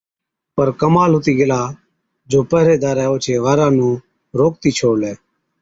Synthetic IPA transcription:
pəɾkəmaːlɦʊt̪iːɡɪlaː | d͡ʒoːpəɦɾeːd̪aːɾɛːoːt͡ʃʰeːʋaːɾãːnũː | ɾoːk̚t̪iːt͡ʃʰoːɽlɛː

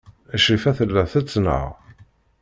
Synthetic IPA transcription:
æʃifæθəlːæθæt͡sːnə̰ʁ

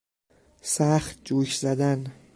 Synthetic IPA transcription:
sæχt̪̚d͡ʒuːçzæd̪æn

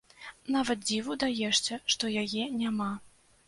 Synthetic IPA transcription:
navɐt̪̚d͡zʲivud̪ajɛʂt͡sʲɛʂt̪ɔjajɛnʲama

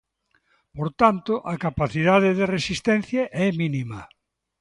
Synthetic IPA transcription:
poɾt̪ant̪ʊʔɐkapaθiðaðɪðɪresist̪ɛn̟θjɐʔɛminimɐ

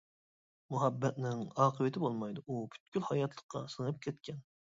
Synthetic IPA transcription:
muɦɛbːɛt̪̚nɪŋɑːqʰəvɨt̪ʰɪbolˠmɑjd̪uʔubʰy̥t̪kʲylhɑjɑt̪ʰlˠəqʰːɑ̰sɨŋɨp̚kʲʰɛt̪kʲʰɛn

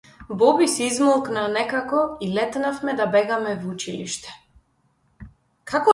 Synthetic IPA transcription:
bɔbisizmɔlˠknanɛkakɔilɛt̪nafmɛd̪abɛɡamɛvut͡ʃilḭʃt̪ɛ̥ | kʰakɔ

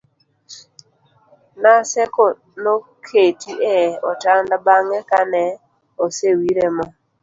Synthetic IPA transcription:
nasɛkɔ | nokʰetiʔeɔtandabaŋɛkanɛ | osewiɾemɔ

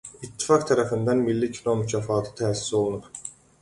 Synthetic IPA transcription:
it̪ʰːi̥fɑkt̪ʰæɾæfind̪ænmilːicʰino̞mycʰæfɑːt̪ʰɯ̥t̪ʰæːsi̥so̞lˠunuɾ

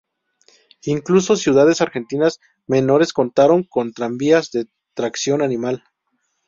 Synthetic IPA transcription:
iŋkluso̞sjuðaðe̞saɾxe̞nt̪inaz | me̞no̞ɾe̞sko̞nt̪aɾo̞ŋko̞nt̪ɾambiazðe̞ | t̪ɾaksjo̞nanĩmal

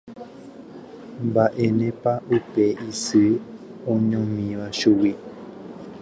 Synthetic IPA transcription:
mbaʔenẽpaʔupeʔisɨ | õɲõmĩβaʃuwi

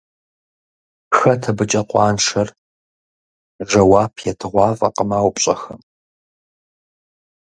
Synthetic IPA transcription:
xɐtʰɐbɨt͡ʃʼɐqʷʼɑːnʂʰɐr | ʒɐwaːpʰjɛtʰɨʁʷɑːfʼɐ̰qəmaːwpʼɕʼɐxɐm

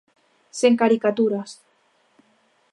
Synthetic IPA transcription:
seŋkaɾikat̪uɾas

